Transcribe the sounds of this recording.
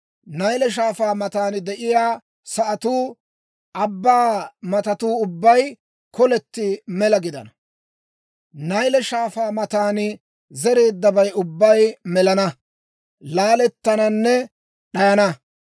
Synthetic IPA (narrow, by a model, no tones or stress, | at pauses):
nɐjlɛʃ̬aːfaːmɐt̪aːnɪd̪ɛʔɪjaː | sɐʔɐt̪uː | ʔɐbːaːmɐt̪ɐt̪uːʊbːɐj | kɔlɛt̪ːɪmɛlɐɡɪd̪ɐ̰nɐ | nɐjlɛʃaːfaːmɐt̪aːnɪ | zɛɾe̞ːd̪ːɐbɐjʊbːɐjmɛlɐnɐ | laːlɛt̪ːɐnɐnːɛ | ɗɐjɐnɐ